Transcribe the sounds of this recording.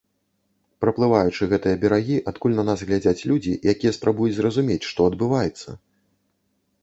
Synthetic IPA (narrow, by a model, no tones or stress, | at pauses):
pɾɐplˠɨvajut͡ʂɨɣɛt̪ɨjɐbʲɛɾaɣʲiʔat̪kulʲnɐnasɣlʲad͡zʲat͡sʲlʲud͡zʲḭjakʲijɛspɾabujut͡sʲzrɐzumʲet͡sʲʂt̪ɔɐd̪bɨvajɛt̪sːɐ̰